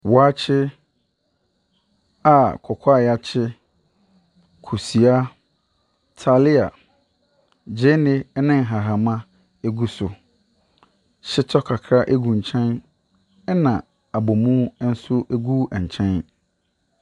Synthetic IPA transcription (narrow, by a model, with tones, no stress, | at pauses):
wɔ˨a˦t͡ɕʰɪ˦ | a˨kʰɔ˨kʷʰa˦˨ja˦t͡ɕʰɪ˦ | kʰu˨si˨a˦ | tʰa˨li˦a˨ | d͡ʑe˦nɪ˦nɪ̃˦ŋ̩˨ɦa˨ɦa˨mã˦ | e˦ɡu˦sʊ˨ | ɕɪ˦tʰɔ˦kʰa˨kʰɾa˦ʔe˦ɡũ˨ɲ̩˨t͡ɕʰɛ̃˦n | ɛ˦nã˨ | a˨bo˨mũ˦n̩˦sʊ˦ʔe˦ɡu˦ɛ˨ɲ̩˨t͡ɕʰɛ̃˦n